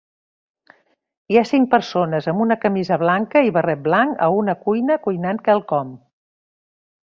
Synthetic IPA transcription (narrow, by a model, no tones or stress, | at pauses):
iasiŋk̚pəɾsonəzəmunəkəmizəβlaŋkəiβərɛt̪̚blaŋkə̰unəkujnəkujnankɛlˠkɔm